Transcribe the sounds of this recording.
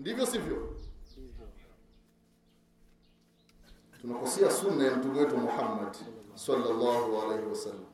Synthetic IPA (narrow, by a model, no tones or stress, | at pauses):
ndivjɔsivjɔ | tunakɔsɛasunːajam̩tumɛwɛtuwamɔħamːadsalːalːaːhualejhɛwasalːam